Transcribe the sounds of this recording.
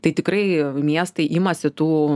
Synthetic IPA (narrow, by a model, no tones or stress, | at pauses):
t̪ɐɪt̪ʲɪkɾɐɪmʲiɛst̪ɐɪʔɪmɐsʲɪt̪uː